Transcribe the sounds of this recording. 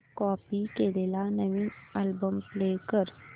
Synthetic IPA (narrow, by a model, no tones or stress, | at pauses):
kɔpikelelanəʋiːnalbəmplekəɾ